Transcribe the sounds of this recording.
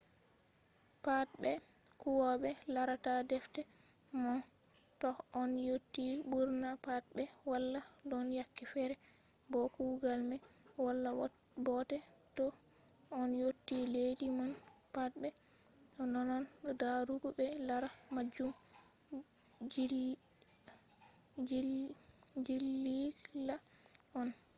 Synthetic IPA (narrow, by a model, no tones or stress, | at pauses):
pat̚bɛkuwɔɓɛlaɾatadɛftɛmɔtɔɔnjotːiɓuɾnapat̚bɛwalːadɔnjakːɛfɛɾɛbɔkuuɡalmɛwalːabɔtɛtɔɔnjotːiledimanpat̚bɛɔnɔnɔndaɾuɡubɛlaɾamad͡ʒum | d͡ʒ | d͡ʒilːilaɔn